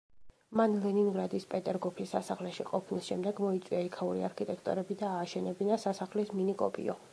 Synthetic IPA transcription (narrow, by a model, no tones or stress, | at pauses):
manlɛniŋɡɾad̪ispʼɛt̪ʼɛɾɡɔpʰisːasaχlɛʃiqʼɔpʰnisʃɛmd̪ɛɡmɔit̪sʼwiaikʰauɾḭaɾkʰit̪ʼɛkʰt̪ʼɔ̰ɾɛbid̪aːʃɛnɛbinasasaχlisminikʼɔ̰pʼḭɔ